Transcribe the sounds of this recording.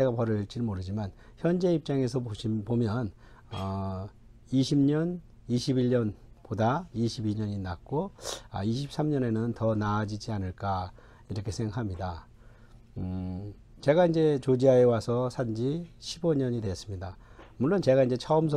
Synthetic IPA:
eɡapʌɾʌiɭt͡ɕ͈inmoɾɯd͡ʑiman | çjʌnd͡ʑe̞ip̚t͡ɕ͈aŋe̞sʰʌpomjʌn | ʌ | iɕʰimɲʌn | iɕʰibiɭɲʌnpodaiɕʰibiɲʌɲinak̚k͈oa̰iɕʰip̚s͈amɲʌne̞nɯntʌnaːd͡ʑid͡ʑianɯɭk͈a | iɾʌkʰe̞sʰeŋɡɦamɲida | t͡ɕe̞ɡaind͡ʑe̞t͡ɕod͡ʑiɦaewasʰʌsʰand͡ʑiɕʰibʌɲʌɲidwe̞s͈ɯmɲida | muɭːont͡ɕe̞ɡaind͡ʑe̞t͡ɕʰʌɯmsʰ

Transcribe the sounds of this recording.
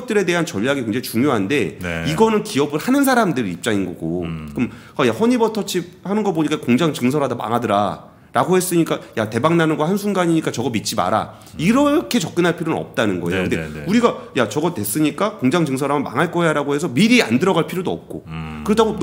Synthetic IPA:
t̚t͈ɯɾe̞de̞ɦant͡ɕʌʎːaɡikweŋd͡ʑeaŋit͡ɕuŋjoɦande̞iɡʌnɯnkiʌbɯɭhanɯns̬ʰaɾamdɯɾiip̚t͡ɕ͈aŋinɡʌ̰ɡo̰kɯm | ajahʌɲibʌtʰʌt͡ɕʰip̚hanɯnɡʌpoɲik͈akoŋd͡ʑaŋt͡ɕɯŋs̬ʰʌɾadama̰ŋadɯɾa | ɾaɡohe̞s͈ɯɲik͈ajate̞baŋnanɯnɡwahansʰuŋɡaɲiɲik͈at͡ɕʌɡʌmit̚t͡ɕ͈ima̰ɾa̰ | iɾʌkʰe̞t͡ɕʌk͈̚ɯnɦaɭpʰiɾjonɯnʌ̰p̚t͈anɯnɡʌejokɯndeuɾiɡajat͡ɕʌɡʌtwe̞s͈ɯɲik͈akoŋd͡ʑaŋt͡ɕɯŋsʰʌɾamɯnma̰ŋaɭk͈ʌjaɾaɡoɦe̞sʰʌmiɾia̰ndɯɾʌɡaɭpʰiɾjodoʌ̰p̚k͈o̰kɯɾʌtʰaɡo

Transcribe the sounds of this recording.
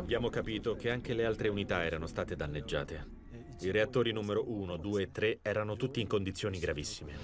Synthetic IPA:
abːjaːmokapiːt̪ok̟eaŋkelealt̪ɾeunit̪aɛːɾanost̪aːt̪ed̪anːed͡ʒːa̰ːt̪e | iɾeat̪ːoːɾinumeɾoʔuːnod̪uːeːt̪ːɾeɛːɾanot̪ut̪ːiːŋkond̪it̪sːjoːniɡɾavisːime

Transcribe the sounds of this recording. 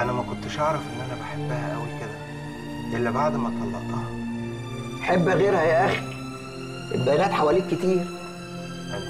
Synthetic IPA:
ʔænæmækont̪ɪʃʔɑʕɾˤɑfʔenːʔænæbaħebːæhæ̰ʔæ̰welked̪æ | ʔɪlːæbaʕd̪mæt̪ˤɑlːɑ̰ʔt̪ɑhɑ | ħebːæɣeːɾhæjæʔæxi | ʔḛt̪̚bæjnæːt̪ħawæliːkːɪt̪iːɾ

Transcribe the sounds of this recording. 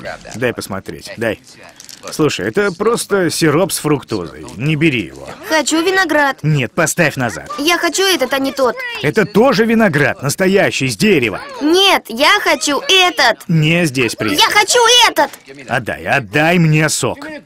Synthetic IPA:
d̪ajpəsmɐ̰t̪ɾʲḛtʲd̪aj | slˠuʂə̰jɛt̪əpɾo̞st̪əsʲɪɾopsfɾʊkt̪o̰zɨ̰jnʲɪbʲɪɾʲḭjɪ̰vo̞̰xɐt͡ɕuvʲɪnɐɡɾat̪nʲe̞t̪̚pɐst̪afʲnɐza̰t̪jaxɐt͡ɕuɛt̪ət̪ɐnʲɪt̪ot̪ɛt̪ət̪o̞ʐɨvʲɪnɐɡɾa̰t̪nəst̪ɐjæɕːɪjzʲdʲeɾʲɪ̰və̰nʲet̪jaxɐt͡ɕuɛt̪ət̪nʲezʲdʲesʲpɾʲɪjaxɐt͡ɕuɛt̪ət̪ɐ̰d̪a̰jɐd̪ːajmnʲeso̰k

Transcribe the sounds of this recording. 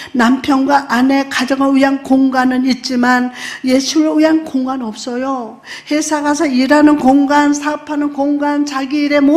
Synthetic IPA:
nampʰjʌnɡwaʔːne̞kad͡ʑʌŋɯɭuɦankoŋɡanɯnit̚t͡ɕ͈imanjeɕʰiŋɯɭiɦankoŋɡanʌp̚s͈ʌjo | hesʰaɡasʰʌiɾanɯnkoŋɡansʰaɯpʰanɯnkoŋɡant͡ɕaɡiɾe̞mo

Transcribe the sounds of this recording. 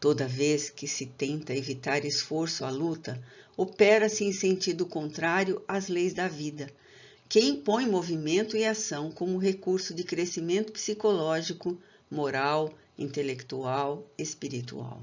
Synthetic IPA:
t̪od̪ɐveskɪsɪt̪ẽnt̪ɐevit̪aɾesfoɾsʊɐlut̪ɐopɛɾɐsɪẽj̃sẽnt͡ʃid̪ʊkõnt̪ɾaɾjʊazlejzd̪ɐvid̪ɐ | keĩpõj̃movimẽnt̪ʊɪasɐ̃w̃kõmʊɦekuɾsʊd͡ʒɪkɾesimẽnt̪ʊ̥psikolɔʒikʊ | moɾaw | ḭ̃nt̪elekt̪uawespiɾit̪ṵa̰w

